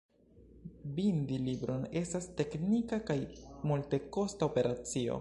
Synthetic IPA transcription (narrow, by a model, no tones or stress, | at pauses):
bindilibɾo̞ne̞staste̞knikakajmulte̞ko̞staope̞ɾat͡sio̞̰